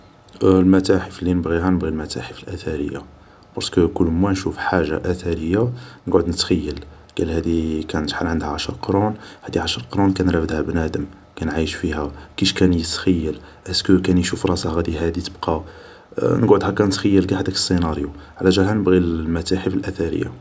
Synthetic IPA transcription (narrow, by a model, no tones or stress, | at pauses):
lmæt̪æħəflːinəbɣiɦænəbɣilmæt̪æ̰ħəfəlʔæt̪æɾəjːa̰ | b̥ɑɾˤskəkʊlːmwænʃufħaʒːa̰ʔæt̪æɾəjːanəɡʕəd̪nət̪xæjːəl | ɡ̥ælhæd̪ikænət̪ħalʕənd̪hæʕaʃəɾˤqɾunhæd̪iʕaʃəɾˤqɾˤunkænɾæfəd̪hæbnæd̪əm | kænʕajəʃfihækiʃkænjət̪xæjːəl | ʔæskəkænjʃufɾˤɑsɑhɣæd̪iɦæd̪it̪əbqɑ | nəɡʕʊd̪hækænət̪xæjːəlɡæħæd̪ækə̥sˤːinɑɾˤjuʕlæʒælɦænəbɣilmæt̪æħəfəlʔæθæɾə̰jːa̰